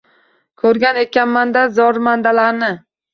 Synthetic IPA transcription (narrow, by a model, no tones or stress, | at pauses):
kʰɵɾɡʲanekʲanmand̪azɒɾmand̪alaɾnɪ